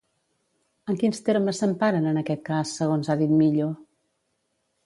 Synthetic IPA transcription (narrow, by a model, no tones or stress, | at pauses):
əŋkinst̪eɾməsːəmpaɾənənəkɛt̪̚kasːəɣ̞onzaðit̪miʎo